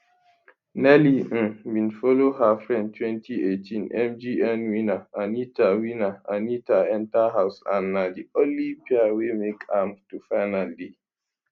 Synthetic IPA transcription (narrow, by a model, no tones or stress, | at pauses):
nɛliʔ̩wĩnfɔlohafɹɛ̃ndtʰwɛ̃ntʰiʔetʰĩnʔɛ̃md͡ʒiɛnwinaʔãnitʰawinaãnitaɛ̃ntaɦaʊsã̰nːadiõnlːipiawemekʰãmtufaɪnalde